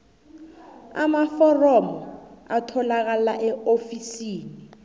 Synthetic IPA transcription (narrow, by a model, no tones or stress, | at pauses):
a̰mafɔrɔmɔatʰɔlak̬alaʔɛofisiːni